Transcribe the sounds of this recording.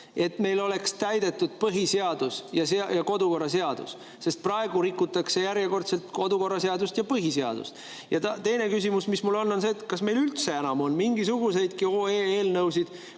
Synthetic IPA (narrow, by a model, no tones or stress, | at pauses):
e̞t̪me̞jlo̞le̞kst̪æjd̪̥e̞t̪ːud̪̥̚pɤɦiseɑd̪̥usjɑseɑjɑko̞d̪uko̞rːɑs̬e̞ɑd̪̥ṵs | se̞st̪̚prɑeɡ̥uɾikːˑut̪ːˑɑkse̞jæɾjeko̞rt̪se̞lt̪ko̞d̪uko̞rːɑseɑd̪ust̪jɑpɤɦiseɑ̰d̪̥ṵst̪ | jɑt̪ɑt̪e̞jne̞kys̬imusmismulo̞nːo̞nse̞ːt̪kɑsme̞jlylt̪se̞enɑmo̞nmiŋɡisuɡ̥use̞jd̪̥kioːeːeːlnɤwsid̪̥